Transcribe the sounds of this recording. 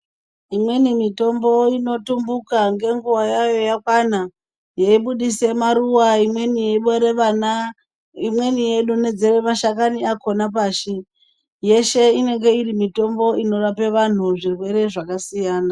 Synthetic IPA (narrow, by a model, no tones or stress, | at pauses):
imwe̞nimito̞mbo̞ino̞tumbukaŋɡe̞ŋɡuwajajo̞jakwana | jeiɓuɗise̞maɾuwaimwenijeiɓeɾeana | imwe̞nije̞ɗune̞d͡ze̞ɾemaʃak̬aniako̞napaːʃi | je̞ʃe̞ine̞ŋɡe̞irimito̞mbo̞ino̞rape̞ʋan̤uʐirwe̞ɾe̞ʐakasijaːna